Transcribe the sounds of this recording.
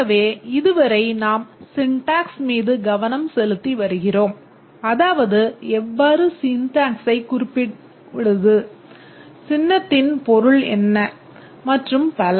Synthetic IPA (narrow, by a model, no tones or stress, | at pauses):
ɐʋeːɪðɯʋɐɾɐɪnaːmsɪɳʈaːksmiːðɯɡɐʋɐnɐmsɛlɯt̪ːiʋɐɾɯɣɪroːm | ɐðaːʋɐðɯɛʋːaːɾɯsiːnt̪aːŋksɐɪkʊɾɪpːɪ | ɪɽɯðɯ | sɪnːɐt̪ːɪnpɔɾɯɭɛ̰nːɐ | mɐʈrɯmpɐlɐ